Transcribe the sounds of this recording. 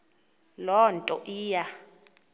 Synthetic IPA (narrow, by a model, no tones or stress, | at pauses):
lɔntʼɔʔiːja